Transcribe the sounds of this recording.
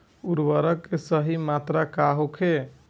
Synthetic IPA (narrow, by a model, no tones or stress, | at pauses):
uɾbəɾəkːesəɦimat̪ɾakaɦokʰe